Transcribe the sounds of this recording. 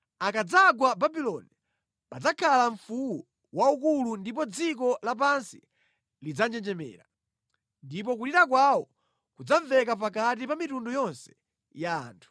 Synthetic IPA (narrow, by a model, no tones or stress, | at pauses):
akad͡zaɡwababilɔni | pad͡zakʰalaɱfuwɔ | waukulundip̬ɔd͡zik̬ɔlap̬ansḭ | lid͡zand͡ʒɛnd͡ʒɛmɛ̰ːɾa | ndipɔkuɾiɾak̬wawɔ | kud͡zaɱvɛkap̬akatipamitundɔjɔnsɛ̥ | ja̰ːntʰu̥